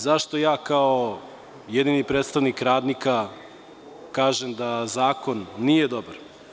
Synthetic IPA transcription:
zaʃt̪o̞jaːkao | jed̪inipɾeːt̪st̪aʋnikɾaːd̪nika | kaːʒemd̪azaːko̞nːije̞d̪obaɾ

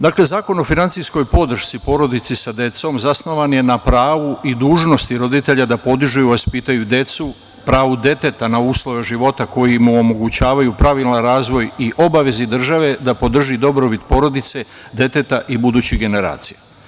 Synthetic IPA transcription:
d̪aːkle̞zaːko̞no̞finant̪sijsko̞jpo̞d̪r̩ʃt̪sipo̞ɾo̞d̪it̪sisad̪e̞t̪so̞mzasno̞ʋanje̞napɾaːʋuid̪uːʒno̞st̪iɾo̞d̪it̪e̞ʎad̪apo̞d̪iʒujuʋaspit̪ajud̪e̞t̪su | pɾaːʋud̪e̞t̪e̞t̪anauːslˠo̞ʋe̞ʒiʋo̞t̪ako̞jimuomo̞ɡut͡ɕaːʋajupɾaʋilˠnaɾaːzʋo̞jiʔo̞baʋe̞zid̪r̩ʒaʋe̞d̪apo̞d̪r̩ʒid̪o̞bɾobit̪po̞ɾo̞d̪it̪se̞ | d̪e̞t̪e̞t̪aʔibud̪uːt͡ɕiɡe̞ne̞ɾa̰ːt̪sija

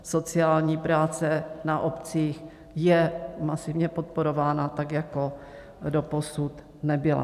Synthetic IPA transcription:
so̞t͡sɪaːlɲiːpɾaːt͡sɛnaʔopt͡siːx | jɛmasɪvɲɛpot̪̚poɾovaːnat̪akjako̞ | doposut̪ | nɛbɪla̰

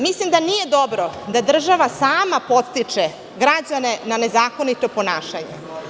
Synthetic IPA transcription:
mislimd̪anije̞d̪o̞bɾod̪ad̪r̩ʒaʋasaːmapo̞t̪st̪it͡ʂe | ɡɾad͡ʑane̞nane̞zaːko̞nit̪o̞po̞naːʃaɲḛ

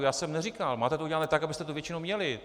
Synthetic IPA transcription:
jaːsɛmnɛrikalmaːt̪ɛt̪oʔuɟɛlanɛːt̪akabɪst̪ɛt̪ovjɛt͡ʃɪnowmɲɛlɪ

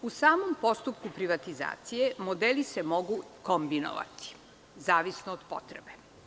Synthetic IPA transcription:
usaːmompo̞st̪upkupɾiʋat̪iza̰ːt̪sije̞mod̪elisemoɡukombino̰ʋa̰t̪i̥ | zaːʋisnoːd̪̥po̰t̪ɾebe

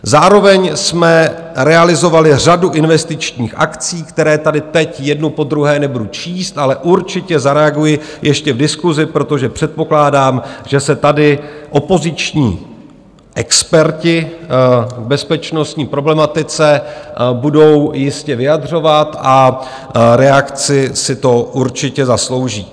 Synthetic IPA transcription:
zaːɾo̞vɛɲsmɛ | ɾɛalɪzo̞valɪr̝aduʔɪnvɛst̪ɪt͡ʃɲiːxʔa̰kt͡siːkt̪ɛɾɛːt̪adɪt̪ɛcjɛdnupo̞d̪ɾuɦɛːnɛbudut͡ʃiːst̪ʔalɛʔuɾt͡ʃɪcɛzaɾɛaɡujɪjʔɛʃcɛvdɪskuzɪpɾo̞t̪o̞ʒɛpr̥ɛt̪̚po̞klaːdaːmʒɛsɛt̪adɪʔo̞po̞zɪt͡ʃɲḭː | ʔɛkspɛɾcɪ | vbɛspɛt͡ʃno̞st̪ɲiːpɾo̞blɛmat̪ɪt͡sɛbudo̞wjɪscɛvɪjadr̝o̞vat̪ʔa | ɾɛakt͡sɪsɪt̪o̞ʔuɾt͡ʃɪcɛzaslo̞wʒiː

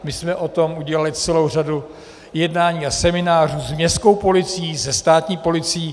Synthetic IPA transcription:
mɪsmɛʔo̞t̪o̞muɟɛlalɪt͡sɛlo̞wr̝adu | jɛdnaːɲiːasɛmɪnaːr̝uːzmɲɛst̪ko̞wpo̞lɪt͡sijiːzɛst̪aːt̪ɲiːpo̞lɪt͡sɪː

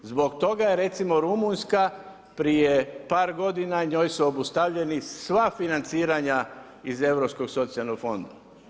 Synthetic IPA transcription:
zbo̞kt̪o̞ɡajeɾe̞t̪simo̞ɾumunska | pɾijepaːɾɡo̞d̪inaɲo̞ːjsuobust̪aʋʎe̞nisʋafinant̪siːɾaɲa | ize̞ʋɾopsko̞ɡso̞t̪sijalnoɡfo̞nd̪a

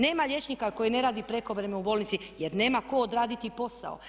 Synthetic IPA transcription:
ne̞ːmaʎʲje̞t͡ʃnikako̞jene̞ɾaːd̪ipɾe̞ko̞ʋɾe̞meubolnit̪si | je̞ɾne̞ːmako̞ːd̪ɾaːd̪it̪ipo̞sa̰o̰

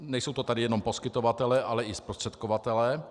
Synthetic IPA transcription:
nɛjsowt̪ot̪adɪjɛno̞mpo̞skɪt̪ovat̪ɛlɛʔalɛɪspɾost̪r̥ɛt̪kovat̪ɛlɛː

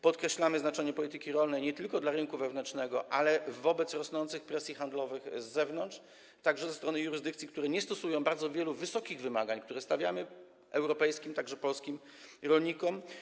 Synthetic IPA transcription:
pɔt̪kɾɛɕlamɘznat͡ʂɛɲɛpɔlʲit̪ɘkʲiɾɔlnɛjɲɛt̪ɘlkɔd̪laɾɘnkuvɛvnɛnt͡ʂnɛɡɔʔalɛvɔbɛt̪sɾɔsnɔnt̪sɘxpɾɛsʲjixand̪lɔvɘɣzːɛvnɔnt̪ʂ | t̪aɡʐɛzɛst̪ɾɔnɘjuɾɘzd̪ɘkt̪sʲikt̪uɾɛɲɛst̪ɔsujɔ̃w̃baɾd̪zɔvʲjɛluvɘsɔkʲiɣvɘmaɡaɲkt̪uɾɛst̪avʲjamɘ | ɛwɾɔpɛjskʲimt̪aɡʐɛpɔlskʲim | ɾɔlɲikɔm

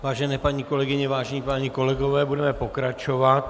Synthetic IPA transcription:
vaːʒɛnɛːpaɲiko̞lɛɡɪɲɛvaːʒɛɲipaːɲiko̞lɛɡovɛːbudɛmɛpokɾat͡ʃovat̪

